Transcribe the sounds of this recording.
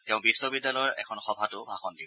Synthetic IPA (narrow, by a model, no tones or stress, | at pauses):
tɛʊ̃bisːɔbidːalɔɹɛ̰kʰɔnxɔbʱatʊbʱaxɔndib